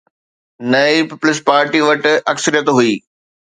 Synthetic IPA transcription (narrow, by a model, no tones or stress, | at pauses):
nɐipɪpʊlɪspaːɾʈiʋɐʈɐksəɾijət̪ɦuiː